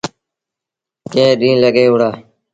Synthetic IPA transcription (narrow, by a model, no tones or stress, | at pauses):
kẽːɗ̪ĩːləɡeːʊɽaː